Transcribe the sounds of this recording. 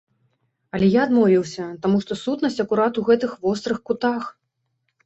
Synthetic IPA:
ɐlʲɛjaːd̪mɔvʲiwsʲɐt̪amuʂt̪ɔsut̪nɐsʲt͡sʲɐkuɾat̪uɣɛt̪ɨxvɔst̪ɾɨxkut̪ax

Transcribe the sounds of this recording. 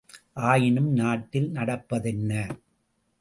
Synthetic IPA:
ʔaːjɪnɯmnaːʈːɪlnɐɽɐpːɐðɛnːɐ

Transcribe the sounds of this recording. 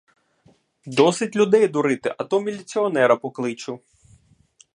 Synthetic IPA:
d̪ɔsɪtʲlʲʊd̪ɛjd̪ʊɾɪt̪ɪʔɐt̪ɔmʲilʲit͡sʲiɔnɛɾɐpɔklˠɪt͡ʃʊ

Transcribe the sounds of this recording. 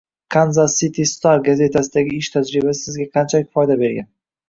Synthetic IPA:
kʰanzasit̪ʰist̪aɾɡaze̞t̪ʰasɪd̪aɡʲɪɪʃt̪ʰad͡ʒɾɪbasɪ̥sɪzɡʲaqʰɑnt͡ʃʰalɪkʲfɒjd̪abe̞ɾɡʲa̰n

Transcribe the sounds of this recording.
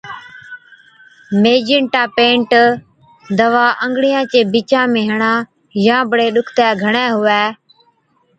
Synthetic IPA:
meːd͡ʒɪɳʈãːpẽːɳʈ | d̪əʋaːʔəŋɡɽɪjãːt͡ʃeːbiːt͡ʃãːmẽːɦəɳãː | jãːbɽeːɗʊkʰt̪ɛːɡʱəɳɛːɦʊʋɛː

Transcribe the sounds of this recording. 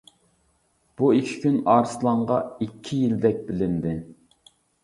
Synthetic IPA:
b̥uikʲʰi̥kʲynɑːɾɨslˠɑɴʁɑikʲʰːijild̪ɛk̚ʲbɪlɪnd̪ɪ

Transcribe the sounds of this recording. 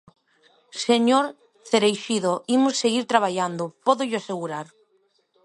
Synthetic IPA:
seɲoɾ | θeɾejʃiðoimʊsːeɣiɾt̪ɾaβ̞aʎand̪ʊpɔðʊʎʊaseɣuɾaɾ

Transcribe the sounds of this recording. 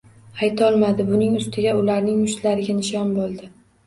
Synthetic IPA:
ajt̪ʰɒlˠmad̪ɪbʊnɪŋʊst̪ɪɡʲaʊlaɾnɪŋʊʃt̪laɾɪɡʲanɪʃɒnbolˠd̪ɪ

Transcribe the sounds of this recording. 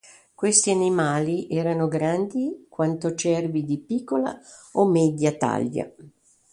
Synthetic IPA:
kwest̪ianimaːliʔɛːɾanoɡɾand̪ikwant̪ot͡ʃɛrvid̪ipikːola̰omɛd̪jat̪a̰ʎja̰

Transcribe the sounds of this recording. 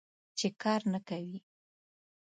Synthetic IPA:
t͡ʃekɑɾnakawi

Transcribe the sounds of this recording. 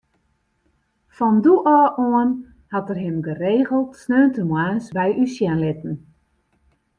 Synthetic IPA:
fɔnduʔɔːʔoən | hatərɦɪmɡəreːɣəlˠtsnøːntəmwaːnsbɛjʔysjɛnlɪtn̩

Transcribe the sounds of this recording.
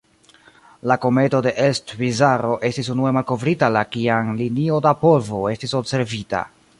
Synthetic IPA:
lako̞me̞to̞de̞ʔelstvizaɾo̞ʔe̞stis̬unue̞malko̞vɾitalakiaŋlinio̞dapo̞lvo̞e̞stiso̞bse̞ɾvita̰

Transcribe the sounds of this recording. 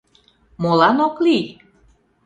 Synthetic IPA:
molɑnokli

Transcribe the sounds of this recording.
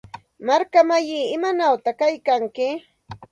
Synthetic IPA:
maɾkamajiːɪmanawt̪akajkaŋkɪ

